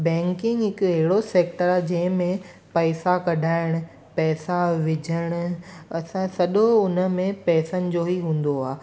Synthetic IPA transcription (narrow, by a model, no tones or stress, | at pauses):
bɛ̃ːŋkɪ̃ŋɡɦɪkɐɦɪɽoseːkʈəɾaːd͡ʑɐ̃ɦɪ̃mẽ | pɐːsakɐɖʱaːɪɽ̃ʊ̆ | pɛːsaʋɪd͡ʑʱəɽ̃ʊ̆ɐsãsɐɗoʊnə̆mẽpɛːsənɪ̆d͡ʑoɦiɦũːn̆d̪oaː